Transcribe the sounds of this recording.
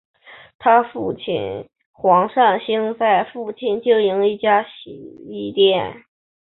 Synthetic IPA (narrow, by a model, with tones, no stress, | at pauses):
t̪ʰa˥fu˥˧t͡ɕʰḭ˥˩n | xwɑ˧˥ŋʂa˥˧nɕi˥ŋt͡sa˥˧ɪfu˥˧t͡ɕʰi˥˩nt͡ɕjo˥˩ʊi˧˥ŋi˥˩t͡ɕja˥ɕi˨˩i˥˧t̪jɛ˥˩n